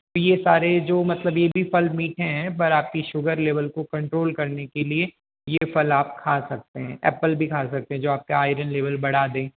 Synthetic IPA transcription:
t̪ojesaːɾed͡ʒoːmɐt̪ləbjebʱifɐlmiːʈɦɛ̃ɦɛ̃pɐɾaːp̚kiʃʊɡəɾleːʋəlkokɐ̃ɳʈɾoːlkɐɾnekelie | jefɐlaːp̚kʰaːsɐk̚t̪eɦɛ̃ːʔɛ̰ːpəlbʱikʰaːsɐk̚t̪ẽɦɛ̃d͡ʒoːaːp̚kaaːɪɾənleːʋəlbɐɽ̤aːd̪ẽː

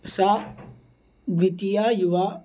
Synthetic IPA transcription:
sa | ʋit̪ijajuʋa

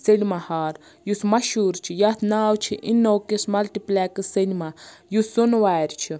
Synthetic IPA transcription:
selʲmahaːɾ | jusmɐʃuːɾt͡ʃʰijat̪ʰnaːwt͡ʃʰiʔinːowkesmɐlʈiplakɨsenʲimajusunwaːjɾʲt͡ʃʰi

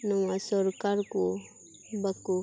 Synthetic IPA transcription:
nɔŋasɔɾkaɾko | bakːu

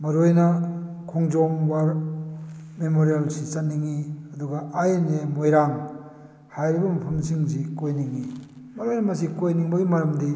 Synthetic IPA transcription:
mɐɾojnakʰɔŋzɔŋwaɾ | memoɾialsit͡ʃaniŋiɐduɡaajnemojɾaŋ | hajɾibɐmɐpʰɐmsiŋzikojniŋi | mɐɾojnɐmɐs̬ikojniŋbɐɡimaɾɐmdi

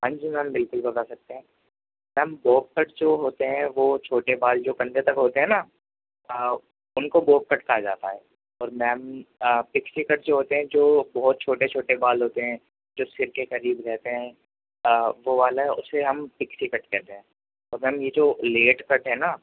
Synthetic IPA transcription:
pɐ̃ɲd͡ʒmẽɦɐ̃mbɪlkʊlbɐt̪aːsɐk̚t̪eɦɛ̃ː | mɛ̃ːmboːp̚kəʈd͡ʒoːɦoːt̪eɦɛ̃ʋoːt͡ʃʰoːʈebaːld͡ʒoːkɐ̃nd̪et̪ɐkɦoːt̪eɦɛ̃na | ə | ʊnkoboːp̚kɐʈkaɦad͡ʒa̰ːt̪aɦɛː | ɔːɾmɛːmpɪksikɐʈd͡ʒoːɦoːt̪eɦɛ̃d͡ʒoːbɔɦʊt̪̚t͡ʃʰoːʈet͡ʃʰoːʈebaːlɦoːt̪eɦɛ̃ː | d͡ʒoːsɪɾkekɐɾiːbɾɛɦt̪eɦɛ̃ː | ʋoʋaːlaɦɛ̃ʔʊ̰sːeɦɐmpɪksikɐʈkɛːt̪eɦɛ̃ː | ɔːɾmɛ̃ːmjed͡ʒoːleːʈkɐʈɦɛːnaː

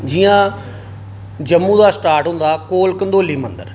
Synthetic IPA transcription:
d͡ʒɪjãː | d͡ʒəmːũːd̪aːsʈaːɾʈɦʊ̃nd̪aːkoːlkənd̪oːliːmənd̪ə̰ɾ

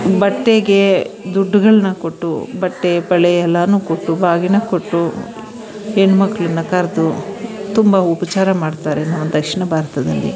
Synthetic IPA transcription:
bɐʈːeɡe̞d̪uɖːuɡɐɭɐnɐkoʈːṵbɐʈːepɐɭɛjɛlːɐnuːkoʈːubaːɡinɐko̞ʈːu | enumɐkːɐɭɐnːɐkɐɾd̪ut̪umbɐupɐt͡ʃaːɾɐmaːɖt̪aːɾenɐʋːɐd̪ɐkʂiɳɐbʱaːɾɐt̪ɐd̪ɐlːḭ

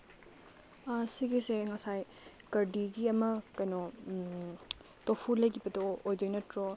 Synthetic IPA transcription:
ɐsiɡiseŋɐsaj | kɐɾdiɡiɐmɐkɐjnɔ | topʰulɐjkʰibɐdɐojd͡ʒojnɐtɾo

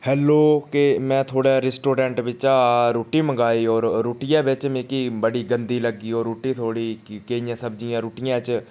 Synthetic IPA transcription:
hɛːlːoːkemɛ̃ːt̪ʰoːɽaːɾɛsʈoːɾɛ̃ːɳʈʋɪt͡ʃaːɾoːʈiːməɡaːiːɔːɾɾoːʈɪjãːbɪt͡ʃmẽkiːbəɽiːɡənd̪iːləɡːiːɔːɾuːʈiːt̪ʰoːɽiːkeijãːsəb̚d͡ʒɪjãːɾuːʈɪjãːt͡ʃ

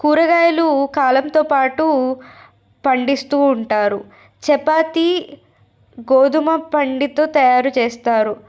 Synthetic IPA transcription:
kuːɾɐɡaːjɐlukaːlɐmt̪oːpaːʈu | pɐɳɖist̪uːɳʈaːɾu | t͡ʃɛpaːt̪i | ɡoːd̪umɐpɐɳɖit̪o̞ːt̪ɐjaːɾut͡ʃeːst̪aːɾu

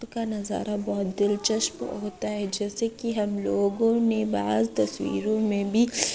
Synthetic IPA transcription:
kanɐza̰ːɾabɔːt̪̚d̪ɪlt͡ʃɐʃpɦoːt̪aɦɛd͡ʒɛːsekiɦɐmloːɡõneba̰ːzt̪ɐswḭːɾõmẽbʱi

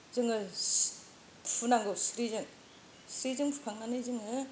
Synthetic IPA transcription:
zɯŋɯ | pʰunaŋɡɯsɯɾizɯŋ | sʰɾizɯŋpʰukʰaŋːanɯzɯŋɯ

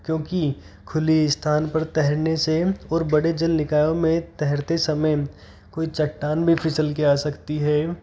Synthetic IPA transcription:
kjõːki | kʰʊliɪst̪ʰaːnpɐɾt̪ɛɦɛɾneseɔːɾbɐɽed͡ʒəlnɪkaːjõmẽt̪ɛɦɛɾt̪esɐməj | koːit͡ʃɐʈːaːnbʱipʰɪsəlkeaːsɐkt̪iɦɛː

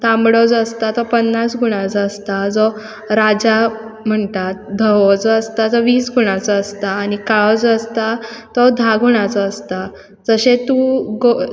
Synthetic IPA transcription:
t̪ãmbɽɔd͡zəst̪at̪ɔpənːasɡʱuɽ̃ãt͡sɔəst̪ad͡zɔ | ɾad͡ʑa | m̤əɳt̪at̪̚d̪ʱəɔd͡zɔəst̪ad͡zɔʋiːsɡʱuɽ̃ãt͡sɔəst̪aːnikaɔd͡zəst̪at̪ɔd̪ʱaɡʱuɽ̃ãt͡sɔəst̪a | d͡zəɕẽt̪uɡo

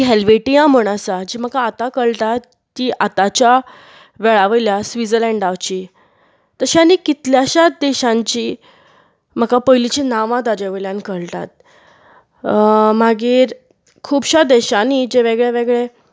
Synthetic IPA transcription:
iɦelʋeʈijãm̤əɳ̃asad͡ʑiːm̤əkaːt̪akəɭʈ̪at̪ː | iːʔat̪at͡ɕja | ʋɛɭaʋəjljasʋid͡zəlɛ̃ɳɖaʋt͡ɕiː | t̪əɕañikit̪ljaɕad̪ɛɕãɲt͡ɕiː | m̤əkapəjlit͡ɕinaʋãd̪ad͡ʑeʋəljãnkəɭʈ̪a̰t̪̚ | maɡiːɾ | kʰuːbɕad̪ɛɕanid͡ʑeʋeɡɭeʋeɡɭe

